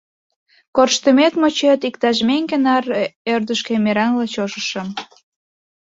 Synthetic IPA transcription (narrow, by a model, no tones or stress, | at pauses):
korʃt̪əmet̪mot͡ɕet̪ikt̪ɑʃmeŋɡenɑrørd̪əʃkĕmeɾɑnlɑt͡ɕoʃəʃə̆m